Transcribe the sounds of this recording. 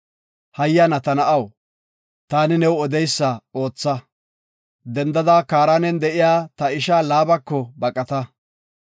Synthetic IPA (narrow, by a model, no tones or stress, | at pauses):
hɐjːɐnɐt̪ɐnɐʔɐw | t̪aːnɪnɛwɔd̪ɛjsːɐo̞ːt͡sːɐ | d̪ɛnd̪ɐd̪aːkaːɾaːnɛnd̪ɛʔɪjaːt̪ɐɪʃaːlaːbɐkːɔbɐkʼɐt̪ɐ